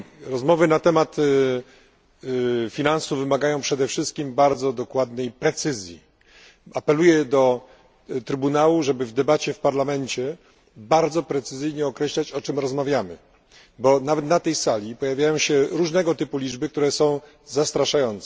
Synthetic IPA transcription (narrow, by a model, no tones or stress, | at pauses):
ɾɔzmɔvɘnat̪ɛmat̪ | fʲinansuvvɘmaɡajɔ̃w̃pʂɛd̪ɛfʂɘst̪̚kʲimbaɾd̪zɔd̪ɔkwad̪nɛjpɾɛt̪sɘzʲjḭ | apɛlujɛd̪ɔ | t̪ɾɘbunawuʐɛbɘvd̪ɛbat͡ɕɛfpaɾlamɛɲt͡ɕɛ | baɾd̪zɔpɾɛt̪sɘzɘjɲɛɔkɾɛɕlat͡ɕɔt͡ʂɘmɾɔzmavʲjamɘ̰ | bɔnavɛt̪nat̪ɛjsalʲipɔjavʲjajɔ̃w̃ɕɛɾuʐnɛɡɔt̪ɘpulʲid͡ʐbɘkt̪uɾɛsɔ̃w̃ | zast̪ɾaʂajɔnt̪sɛ